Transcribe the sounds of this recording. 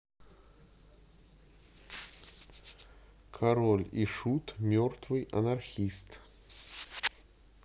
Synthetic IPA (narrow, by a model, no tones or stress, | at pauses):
kʰɐɾolʲḭʂut̪mʲort̪vɨjʔɐ̰nɐrxʲist̪